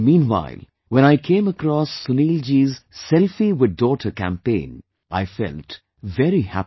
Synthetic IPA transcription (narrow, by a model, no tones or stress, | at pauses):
mĩːnwa̰ɪlˠ | wɛ̃ñaɪkʰẽɪ̃məkɾɔsːʊniːld͡ʒizsɛlfiwɪd̚dɔːtʰəkæ̰̃mpḛ̃ɪ̃n | ʔaɪfɛ̰lt | vɛɾihæ̰p